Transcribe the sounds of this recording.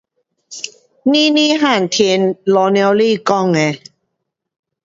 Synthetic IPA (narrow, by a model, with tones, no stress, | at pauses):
ni˦ni˦˨ɦa˥˩˨n˨t̪ʰi˧nlɔ˧nɛ˧wli˦˨kɔ˦˨ŋɛ˨˧